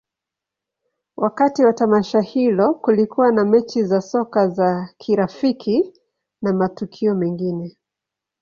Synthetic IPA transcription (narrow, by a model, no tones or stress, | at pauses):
wʔakatiwatamaʃahilɔkulikuwanamɛt͡ʃizasɔkazakʰiɾafikʰi | namatukʰiɔmɛŋɡinɛ